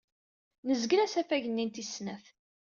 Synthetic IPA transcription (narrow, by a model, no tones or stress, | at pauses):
nəzɡɾæsæfæʝənːint̪isnæf